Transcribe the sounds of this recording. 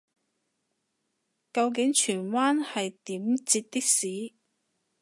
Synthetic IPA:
kɐ˧wk̬ɪ˨˥ŋt͡ʃʰyː˨˩nwaː˥nhɐ˨jt̪iː˨˥mt͡siː˧t̚t̪i˥k̚siː˨˥

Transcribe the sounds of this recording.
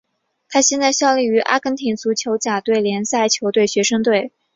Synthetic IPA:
t̪ʰa˥ɕjɛ˥˧nt͡sa˥˧ɪɕjɑ˥˧ʊli˥˩y˧˥ʔa̰˥kə˥nt̪ʰi˧˥nt͡su˧˥t͡ɕʰjo˧˥ʊt͡ɕja˨˩t̪we˥˩ɪljɛ˧˥nsa˥˩ɪt͡ɕʰjo˧˥ʊt̪we˥˩ɪɕɥɛ˧˥ʂɤ˥ŋt̪we˥˩ɪ

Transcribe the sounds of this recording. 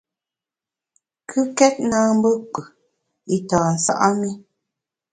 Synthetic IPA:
kʰʉ˦kɛ˦t̚naː˦m̩˦bə˦k͡pɨ˨ | i˦taː˨a˨sa̰˦ʔa˦mi˦

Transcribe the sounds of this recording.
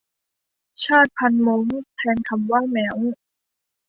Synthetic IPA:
t͡ɕʰaː˥˩t̪̚pʰa˧nmo˧˥ŋpʰɛː˧nkʰa˧mwaː˥˩mɛː˨˦w

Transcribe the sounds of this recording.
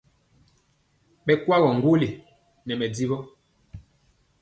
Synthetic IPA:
ɓɛ˦kwa˦ɣɔ˨ŋ̩˨ɡwo˦li˨ | nɛ˨mɛ˨di˦βɔ˦

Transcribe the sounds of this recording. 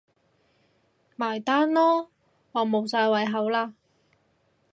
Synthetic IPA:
maː˨˩jt̪aː˥nlɔː˥ | ŋɔː˨˧mo˨˧wsaː˧jwɐ˨˧jɦɐ˨˧wlaː˧

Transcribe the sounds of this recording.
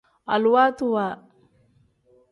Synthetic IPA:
a˨lwa˦t̪u˦wa˨

